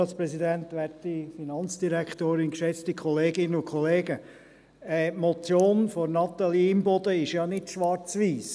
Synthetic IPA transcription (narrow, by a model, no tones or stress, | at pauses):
ɑt͡spɾɛsidænt̪ʋæɾtifinɑnt͡sd̥iɾækt̪oːɾɪnkʃɛt͡stikχɔleːɡɪnəʊkʰχɔleːɡə | ɛmɔt͡sjoːnfɔnɑt̪ɑlimbɔd̪əɪʃjɑnɪtʃʋɑɾt͡sʋiːs